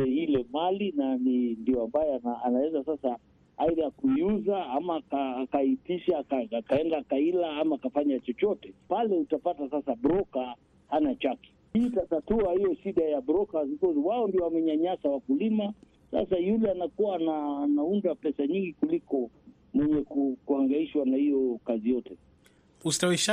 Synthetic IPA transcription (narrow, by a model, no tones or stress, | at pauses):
ɛhilɛmalinanindiɔambajɛanaanawɛzasasa | aiðajakuiuzaamaːkaːkaitiʃakaːkaɛndakailaamaːkafaɲat͡ʃɔt͡ʃɔtɛpalɛutapatasasabɾɔka | hanat͡ʃaki̥ | itatatuahijɔʃiɗajabɾɔkazikɔziwaɔndiɔamɛɲaɲasawakulima | sa̰sajulɛanakuwaːnaːnaundapɛsaɲiŋɡikulikɔ | mwɛɲɛkukuaŋɡaiʃwanahijɔkazijɔtɛ | ustawiʃa